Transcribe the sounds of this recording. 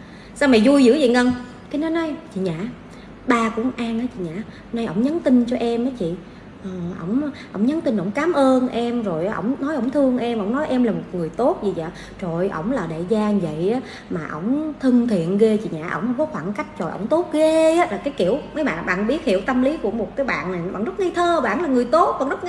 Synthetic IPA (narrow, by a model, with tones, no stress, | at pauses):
saː˧wma˨˩jzu˧jzɨ̰˧˥˦zḭ˧˨ŋə˧ŋ | kaː˨˦nɔ˨˦jnɔ˨˦jt͡ɕḭ˧˨ɲa̰ː˧˨ | ɓaː˧kṵ˧˥ŋʔaː˧nʔaː˨˦t͡ɕḭ˧˨ɲa̰ː˧˩ | na˧jʔə˧˩wŋ͡mɲə˨˦nt̪i˧nt͡ɕɔ˧ʔɛ˧mʔaː˨˦t͡ɕḭ˧˨ | ʔəː˨˩ʔə̰˧˩wŋ͡mʔə˧˩wŋ͡mɲə˨˦nt̪i˧nʔə˧˩wŋ͡mkaː˨˦mʔəː˧nʔɛ˧mzo˨˩jʔaː˨ʔə̰˧˦wŋ͡mnɔ˨˦jʔə˧˩wŋ͡mt̪ʰɨ˧əŋʔɛ˧mʔə̰˧˩wŋ͡mnɔ˨˦jʔɛ˧mlaː˨˩mo˨˩t̚ŋɨ˨˩əjt̪o˦˥t̚zi˧˨˩za̰ː˨ | t͡ɕo˨jʔə˧˩wŋ͡mlaː˨˩ɗḛ˧˨zaː˧ŋ˨və̰˧˨jʔaː˨˦ | maː˨˩ʔə̰˧˩wŋ͡mt̪ʰɨ˧ŋt̪ʰḭ˧˨ənɣe˧t͡ɕḭ˧˨ɲa̰ː˧˩ʔə̰˧˩wŋ͡mhə˧wŋ͡mkɔ˨˦xwaː˧˩nka˦˥jk̟̚t͡ɕo̰˨˩jʔə̰˧˩wŋ͡mt̪o˦˥t̚ɣe˧a˨˦laː˨˩kaː˨˦jki˧˩˨əwmə˨˦jɓa̰ː˧˨nɓa̰ː˧˨nɓi˦ət̚hi˧˨əwt̪ə˧mli˨˦ku˧˩əmo˨˩t̚kaː˨˦jɓa̰ː˧˨na˨˩jɓa̰˧˨˩nzə˦˥t̚ŋa˧jt̪ʰəː˧˩ɓa̰ː˧˨nlaː˨˩ŋɨ˨˩əjt̪o˦˥t̚kɔ˨˩nzə˦˥t̚